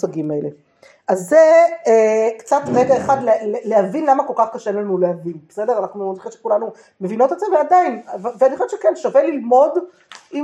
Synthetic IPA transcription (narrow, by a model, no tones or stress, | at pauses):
saɡimaele | ʔazːeekt͡satʁeɡaeχadleleleavinlamakolkaχkaʃenlanulehavinbesedeʁanaχnumoliχiʃe̥kulanu | me̞vino̞t̪ezeveadainvveaniχoʃeʃekenʃavelilmo̞d | i